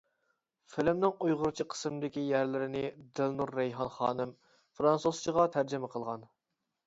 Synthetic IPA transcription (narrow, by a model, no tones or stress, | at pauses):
fɪlɪmnɪŋujʁʊɾt͡ʃʰiqʰə̥smd̪ɪkʲijæɾlɪɾɪnɪd̪ɪlnuɾːɛjɦɑnχɑ̰ːnɪm | fɾɑnsoz̥t͡ʃʰiʁɑt̪ʰæɾd͡ʒɪmɛqʰəlˠʁɑn